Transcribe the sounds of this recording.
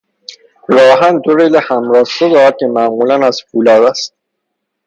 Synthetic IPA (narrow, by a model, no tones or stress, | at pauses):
ɾɒːɦænd̪oɾelehæmɾɒːhʃod̪ɒːd̪̚cʰemæʔmuːlænæz̥fuːlɒːd̪æst̪̚